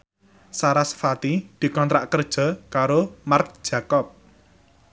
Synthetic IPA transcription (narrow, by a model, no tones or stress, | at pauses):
saɾasfat̪id̪̥i̤kɔnt̪ɾaʔkərd̥ʒ̥ɔ̤kaɾomark̚d̥ʒ̥ä̤kɔp̚